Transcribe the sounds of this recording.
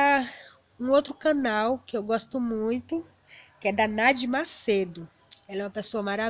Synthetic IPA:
ũowt̪ɾʊkɐ̃nawkɪewɡɔst̪ʊmũj̃t̪ʊ | kɪɛd̪ɐnad͡ʒɪmased̪ʊ | ɛlɛũɐpesoɐmaɾa

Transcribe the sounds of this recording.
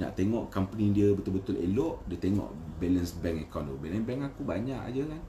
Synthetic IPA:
na̰ʔt̪eŋɔʔkampənĩdiəbət̪ʊlbət̪ʊlḛlɔʔdiət̪eŋɔ̰̃ʔbɛlənsbɛŋɛkɔndobɛlənbɛŋakubaɲaʔa̰d͡ʒəkan

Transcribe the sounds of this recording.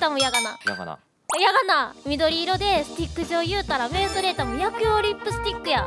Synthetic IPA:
t̪amojaɡanaja̰ | jaɡanamʲid̪o̞ɾʲiːɾo̞d̪e̞sɨ̥t̪ʲikːɯ̟ʑioːjɯ̟ːt̪aɾame̞soɾe̞t̪amojakɯ̟oɾʲĩmpɯ̟sɨ̥t̪ʲikːɯ̟ja

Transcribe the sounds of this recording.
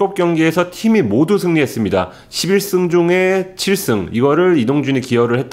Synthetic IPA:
op̚k͈jʌŋɡiesʰʌtʰimimodusʰɯŋɲiɦe̞s͈ɯmɲida̰ | ɕʰibiɭs͈ɯŋd͡ʑuŋe̞t͡ɕʰiɭs͈ɯŋiɡʌɾɯɭidoŋd͡ʑuɲikiʌɾɯɭhe̞t̚t͈

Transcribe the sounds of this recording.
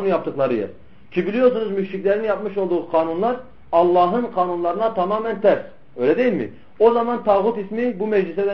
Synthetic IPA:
unjɑp̚t̪ʰɯχlˠɑɾɯjɯ̰ | cʲʰibilʲijoɾs̬unuzmyʃɾicʲlʲɛɾninjɑp̚mɯʃo̞lˠd̪uʁuqʰɑːnunlˠɑɾ | ɑlˠːɑːɦɯnqʰɑːnunlˠɑɾɯnat̪ʰɑmɑːmɛnt̪ʰɛɾs | øjlʲɛd̪ejilmḭ | ozɑmɑnt̪ʰɑːʁut̪ismibumɛd͡ʒlisɛd̪ɛ

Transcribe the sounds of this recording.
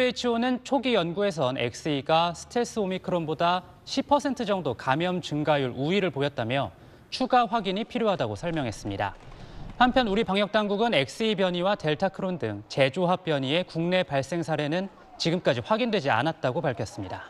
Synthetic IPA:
et͡ɕʰionɯnt͡ɕʰoɡijʌnɡue̞s̬ʰʌnḛk̚s͈ɯiɡasʰɯ̥tʰes͈ɯomikʰɯɾonboda | ɕʰipʰʌsʰe̞ntʰɯd͡ʑʌŋdokamjʌmt͡ɕɯŋɡajuɾuiɾɯɭpojʌt̚t͈amjʌ | t͡ɕʰuɡaɸwaɡiɲipʰiɾjoɦadaɡosʰʌɭmjʌŋɦe̞s͈ɯmɲida̰hampʰjʌnuɾipaŋjʌk̚t͈aŋɡuɡɯnek̚s͈ɯipjʌɲiwate̞ɭtʰakʰɯɾondɯ̰ŋt͡ɕe̞d͡ʑoɦap̚p͈jʌɲie̞kuŋne̞paɭs͈e̞ŋsʰaɾe̞nɯn | t͡ɕiɡɯmk͈ad͡ʑiɸwaɡindwe̞d͡ʑia̰nat̚t͈aɡopaɭkʰjʌs͈ɯmɲida

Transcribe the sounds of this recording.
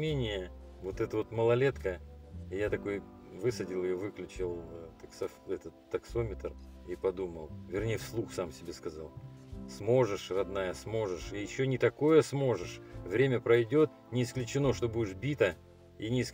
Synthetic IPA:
mʲenʲɪjə | vo̞t̪ɛt̪əvo̞t̪məlˠɐlʲe̞t̪kəɪjat̪ɐko̞j | vɨsədʲɪlˠɨjovɨklʲʉt͡ɕɪlˠt̪ɐksɐfɛt̪ət̪ːɐkso̞mʲɪt̪ripɐd̪uməlˠvʲɪrnʲejfslˠuxsamsʲɪbʲe̞skɐzalˠ | smo̞ʐɨʂrɐd̪najəsmo̞ʐɨʂijɪɕːonʲɪt̪ɐko̞jəsmo̞ʐɨʂvɾʲemʲəpɾɐjdʲo̞t̪̚ | nʲɪːsklʲʉt͡ɕɪno̞ʂt̪o̞budʲɪʂbʲit̪ə | inʲɪːs

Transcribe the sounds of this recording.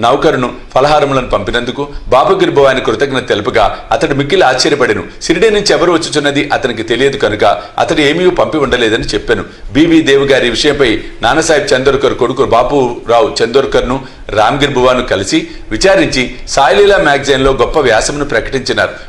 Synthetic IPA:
nɐwkɐɾunu | pʰɐlɐɦaːɾɐmlɐnupɐmpinɐnd̪ukubaːpuɡiɾbʱɐʋaːnikɾut̪ɐkɐnɐt̪elɐpɐɡaːɐt̪ɐɽimikːilaːt͡ʃːɐɾjɐpɐɽɐnṵ | siɾiɖiːnuɲt͡ʃiɛʋɐɾuʋɐt͡ʃːut͡ʃunːɐd̪iʔɐt̪ɐnik̬it̪e̞lijɐd̪ukɐnukɐɐ̰t̪ɐɽie̞ːmiːjopɐmpiuɳɖɐlɛːd̪ɐnit͡ʃepːeːnu | biːbiːd̪eɛːʋuɡaːɾiʋiʂɐjɐmpɐjnaːnɐsaːjib̚t͡ʃɐnd̪oɾkɐɾkoɽukubaːpuɾaːwut͡ʃend̪oɾkɐɾnu | ɾaːmɡiɾbʱɐʋaːnukɐlisi | ʋit͡ʃaːɾiɲt͡ʃisaːjlilamaːɡd͡ʒɐnlo̞ːɡɔpːɐʋjaːsɐmɐnupɾɐkɐ̥ʈiɲt͡ʃɐnːa̰ːɾu

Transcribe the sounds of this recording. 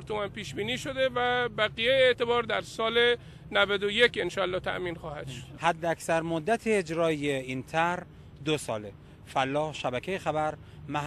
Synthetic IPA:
ɾt̪ʰomænpiːʃbiːniːʃod̪evæbæɣijejeeʔt̪e̞bɒːɾd̪æɾsɒːle | nævæd̪ojekʰenʃɒːlːɒːt̪ʰæ̰ʔmiːnxɒːhæd̪ʃod̪̥hæd̪ːeæksæɾmod̪ːæt̪ʰeːd͡ʒɾɒːijeint̪ʰæɾ | d̪osɒ̰ːle | fælːɒːhʃæbækʰejexæbæɾ | mæ

